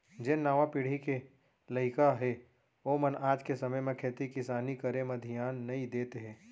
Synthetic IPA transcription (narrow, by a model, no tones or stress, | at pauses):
d͡ʒɪnnaːʋãpiːɽ̤ike | lɐɪkaɦɛ | oːmɐnaːd͡ʒkesɐməjmẽkʰeːt̪ikɪsaːnikɐɾemɐd̪ʱijaːnːɐĩd̪eːt̪eɦɛ̃ː